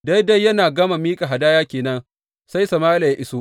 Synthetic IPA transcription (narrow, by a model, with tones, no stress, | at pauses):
da˦jda˦jːɐ˦naː˨ɡɐ˦ma˨miː˦kʼa˨ɦa˨daː˦jaː˦kʲeː˨nɐ˦n | sa˦jsɐ˨maː˦la˨ja˦ʔɪ˦soː˦ʔ